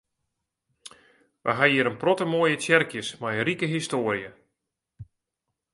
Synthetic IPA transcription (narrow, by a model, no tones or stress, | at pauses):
ʋa̰ɦaiəɾənprɔtəmoːjətjɛrkjəsmajərikəɦistoːɾijə